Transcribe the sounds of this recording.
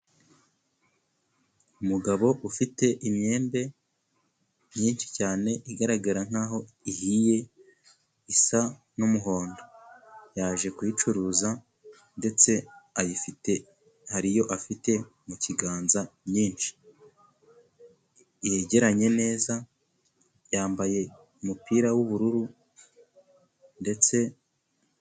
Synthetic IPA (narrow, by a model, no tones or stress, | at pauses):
umuɡaβo̞ʔufite̞ʔimɲe̞ːmbe̞ | ɲiːnʃi̥caːne̞ʔiɡaɾaɡaɾaŋ̥aːɦo̞ | ihije̞ | isa | numuɦo̞ːndojaːʒe̞kwiːt͡ʃuɾuːza | nde̞t͡se̞ajifite̞ | haɾijo̞ʔafite̞ | muciɡaːnzaɲiːnʃi̥ | je̞ɟe̞ɾaɲe̞ne̞ːza | jaːmbaje̞ | umupiːɾawuβuɾuɾu | nde̞t͡se̞